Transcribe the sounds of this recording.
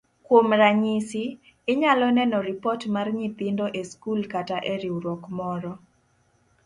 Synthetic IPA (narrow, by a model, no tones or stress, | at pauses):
kwomɾaɲisiː | ɲalɔnɛnɔɾɪpɔtmarɲit̪ɪndɔʔeskulkataʔeɾiuɾɔkmɔɾɔ